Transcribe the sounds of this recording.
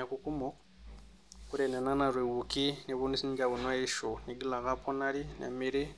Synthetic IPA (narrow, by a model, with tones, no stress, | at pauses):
a˨ku˦ku˦mo˦ | ku˦ɾe˨ne˨na˦na˨ɾwe˨wu˨ki˦ne˨βu˦ni˦si˦ni˦ɡa˨βu˨nwa˦i˦ʃo˨ni˨ɡi˦la˨ɣa˦pʰo˦na˦ɾi˦nḛ˨mi˦ɾi˦